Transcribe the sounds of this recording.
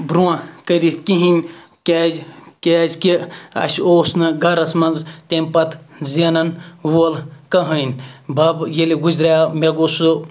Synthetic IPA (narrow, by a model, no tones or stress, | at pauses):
bɾuãkəɾit̪kiɦinʲ | kʲezkʲezkiɐ̰ʃʲoːsnɨɡɐɾɐsmɐnzt̪emʲpɐt̪zenɐnwolkɐɦɐnʲbɐbjeliɡuzɾʲameɡosu